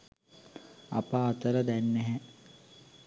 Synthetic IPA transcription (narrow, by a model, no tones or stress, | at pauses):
a̰paːt̪əɾəd̪ænːeɦɛ